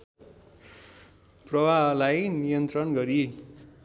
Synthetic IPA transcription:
prʌbʱalajnijʌnt̪rʌnɡʌɾi

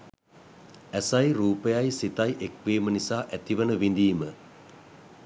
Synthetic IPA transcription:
æsajɾuːpəjajsit̪ajʔekʋiːmənisaːʔæt̪iʋənəʋind̪iːmə

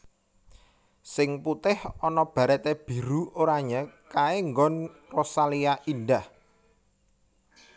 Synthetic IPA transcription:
sɪŋput̪ɪhɔnɔb̥a̤ɾɛt̪eb̥i̤ɾuoɾaɲakaeŋɡɔnrɔsaliaʔindah

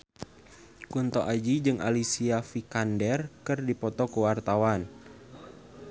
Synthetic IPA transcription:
kunt̪ɔʔad͡ʒid͡ʒɨŋa̰lisiafikandɛrkɨrdipɔt̪ɔkəwart̪awan

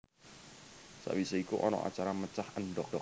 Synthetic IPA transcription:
sa̰ʔwisaikuʔɔnɔ̰ʔa̰t͡ʃaɾamət͡ʃahənɖɔd̥ɔ

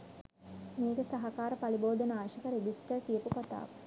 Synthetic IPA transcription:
meːɡəsaɦɐkaːɾəpaliboːd̪ənəaːʃəkəɾeɡisʈəkijəpukat̪a̰ːʋə

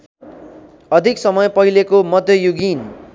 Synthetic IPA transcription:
ʌd̪ʱiksʌmʌjpʌɦilekomʌd̪ʱjʌjuɡin

